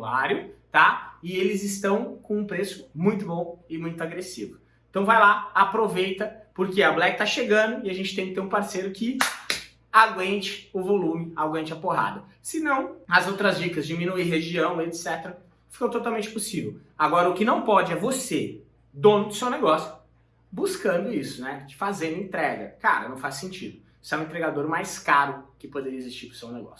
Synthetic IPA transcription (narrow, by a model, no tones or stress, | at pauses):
a̰ɾjʊt̪aɪelɪzɪst̪ɐ̃w̃kõũpɾesʊ̥mũj̃t̪ʊbõw̃ɪmũj̃t̪ʊaɡɾesḭvʊ | ẽt̪ɐ̃w̃vajlaapɾovejt̪ɐpoɾkeɐblɛk̚t̪aʃeɡɐ̃d̪ʊɪaʒẽnt͡ʃɪt̪ẽkɪt̪eɾũpaɾsejɾʊkɪ | aɡwẽnt͡ʃɪ̥ʊvolũmɪaɡwẽnt͡ʃɪɐpoɦa̰d̪ɐ | sɪnɐ̃w̃ɐzowt̪ɾɐzd͡ʒikɐzd͡ʒɪmĩnuiɦeʒiɐ̃w̃et̪sɛt̪eɾɐ | fi̥kõwt̪ot̪awmẽnt͡ʃɪpusivew | aɡɔɾɐʊkɪnɐ̃w̃pɔd͡ʒɪɛvose | d̪õnd̪ʊsewneɡɔsjʊ | buskɐ̃nd̪ʊisʊnɛd͡ʒɪfazẽd̪ʊẽt̪ɾɛɡɐ̰ka̰ɾɐ̰nɐ̃w̃fasːẽnt͡ʃḭd̪ʊ | sɛũẽt̪ɾeɡad̪oɾmajskaɾʊkɪpod̪eɾiɐezist͡ʃiɾpʊ̥sewneɡɔ̰sjʊ